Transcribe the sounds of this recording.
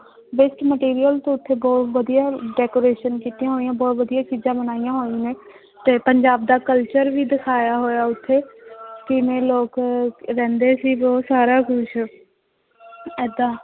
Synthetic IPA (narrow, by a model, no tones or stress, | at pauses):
bɪsʈməʈiːɾijəlt̪õːʊt̪ʰːeːbɔːt̪ʋəd̪ijaːɖɛːkoːɾeːʃənkiːt̪ijãːɦoːijãːbɔːt̪ʋəd̪ijaːt͡ʃiːzãːbənaːijãːɦoːiːneː | t̪eːpəɲd͡ʒaːb̚d̪aːkəlt͡ʃəɾʋiːd̪ɪkʰaːjaːɦoːjaːʊt̪ʰːeːkɪmẽːloːkɾɛ̃ːnd̪eːsiːbɔːt̪saːɾaːkʊʃ | ɛːd̪ãː